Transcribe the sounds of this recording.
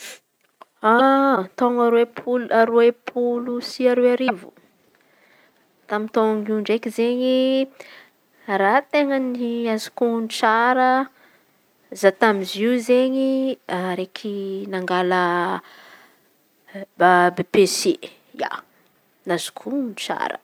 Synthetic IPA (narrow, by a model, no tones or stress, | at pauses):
at̪oŋaɾwepʰulaɾuepʰulusiaɾuaɾivu | t̪amint̪oŋiuɳɖ͡ʐekizeɲi | rat̪eŋəniazi̥kunt͡saɾə | zat̪amiziuzeɲiaɾekʰinaŋɡalə | babepese | ja̰ | naz̥u̥kʰunt͡sa̰ɾə̰